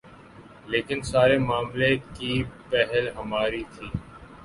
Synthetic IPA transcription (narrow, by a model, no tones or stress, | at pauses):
leːkɪnsaːɾemaːmlekiːpɛɦɛlɦəmaːɾit̪ʰiː